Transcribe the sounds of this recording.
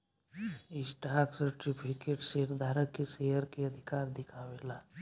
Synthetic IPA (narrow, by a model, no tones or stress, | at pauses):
ɪsʈaɾksəɾʈipʰikeʈseɾd̪ʱaɾəkːesejəɾkeəd̪ʱikaːɾd̪ɪkʰawela